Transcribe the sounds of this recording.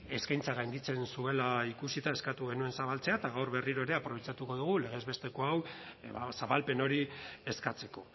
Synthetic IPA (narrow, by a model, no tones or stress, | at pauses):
e̞skajnt͡saɣ̞ajnd̪it͡se̞nsue̞laikusit̪aeskat̪uɣe̞nue̞nsaβalt͡se̞at̪aɣawɾβe̞riɾo̞eɾe̞apɾo̞β̞et͡sat̪uko̞ðuɣ̞ule̞ɣ̞e̞zβe̞st̪e̞ko̞awβa̰saβalpe̞no̞ɾie̞skat͡se̞ko̞